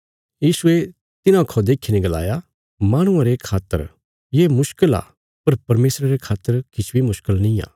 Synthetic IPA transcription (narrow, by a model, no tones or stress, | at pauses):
jiːsʊe | t̪ɪnãkʰod̪eːkʰːinẽɡɐla̰ːja | maːɽ̃ʊ̃ãɾekʰaːt̪ːə̰ɾ | jeːmʊʃkəla̰ː | pɐɾpɐɾmeːsɾaɾekʰaːt̪ːəɾkɪt͡ʃʰbʱimʊʃkəlnĩa̰ː